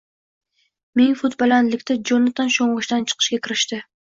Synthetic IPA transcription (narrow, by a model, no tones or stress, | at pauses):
meŋfʊt̪bolˠanlɪkʲt̪ʰad͡ʒonat̪ʰanʃoɴʁɨʃt̪ant͡ʃʰɨ̥qʰɨ̥ʃkʲakʲʰɪɾɪʃt̪ɪ